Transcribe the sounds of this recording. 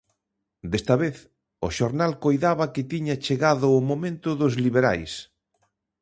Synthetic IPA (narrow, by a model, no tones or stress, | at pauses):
d̪est̪ɐβeθ | ʊʃoɾnalkojðaβɐkɪt̪iɲat͡ʃeɣaðʊːmomẽnt̪ʊðʊzliβeɾa̰js